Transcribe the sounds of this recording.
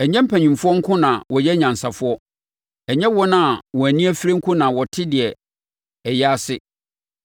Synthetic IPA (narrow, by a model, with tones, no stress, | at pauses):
ɛ˨ɲɛ̃˦m̩˦pʰæ̃˨ɲũ˨mfʊ˦ɔ˦ŋ̩˦kʰʊ̃˦nã˨wɔ˨jɛ˦ɲã˨n˨sa˨fʊ˦ɔ˦ | ɛ˨ɲɛ̃˦wɔ˦nã˨wɔ˨æ˨nĩ˦æ˦fi˦ɾe˦ŋ̩˦kʰʊ̃˦nã˨wɔ˨tʰɪ˦dɪ˨ɛ˨ | ɛ˨jɛ˦a˦sɪ˦